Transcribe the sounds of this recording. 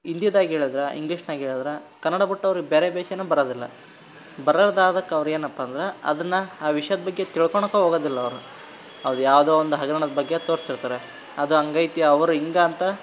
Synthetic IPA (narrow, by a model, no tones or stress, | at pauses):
ind̪ijɐd̪aːɡiɦeːɭid̪ɾeḭŋɡliːʂnaːɡiɦeːɭid̪ɾe | kɐnːɐɽɐbuʈːɐʋɐɾiɡebeːɾebɛːʃenuːbɐɾoːd̪ilːɐ̰ | bɐɾɐlɐd̪aːd̪ɐkːɐʋɐɾueːnɐpːɐːnd̪ɐɾeɐ̰d̪ɐnːɐaːʋiʂjɐd̪ɐbɐɡːe̞t̪iɭkoɳɐkːuɦoːɡoːd̪ilːɐːʋɐɾu | ɐʋɐɾujaːʋd̪oːond̪uɦɐɡɐɾɐɳɐd̪ɐbɐɡːet̪oːɾsiɾt̪aːɾe | ɐd̪uɐŋɡɐjt̪ijɐːʋɐɾuiŋɡaːnt̪ɐ